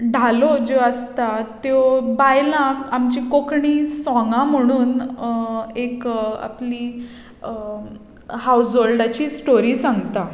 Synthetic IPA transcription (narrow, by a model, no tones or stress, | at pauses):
ɖʱalod͡ʑoəst̪at̪jobajlãkamt͡ɕikokɳiːsɔ̃ŋɡãm̤əɽ̃uːn | eka̰pli | hawsolɖat͡ɕiːsʈoɾiːsãŋɡt̪a